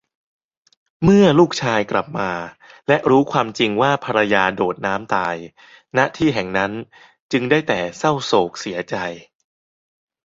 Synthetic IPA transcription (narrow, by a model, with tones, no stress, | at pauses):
mɯ˥˩ɐluː˥˩k̚t͡ɕʰaː˧jkla˨˩p̚maː˧ | lɛ˦˥ʔɾuː˦˥kʰwaː˧mt͡ɕi˧ŋwaː˥˩pʰa˧ɾa˧jaː˧doː˨˩t̪̚naː˦˥mt̪aː˧j | na˦˥ʔt̪ʰiː˥˩ɦɛ˨˩ŋna˦˥n | t͡ɕɯ˧ŋdaː˥˩jt̪ɛː˨˩sa˥˩wsoː˨˩k̚si˩˦ɐt͡ɕa˧j